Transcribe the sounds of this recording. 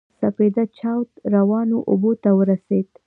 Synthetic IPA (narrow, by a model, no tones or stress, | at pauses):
saped̪at͡ʃɑwt̪ɾawɑnoʔobot̪awəɾased̪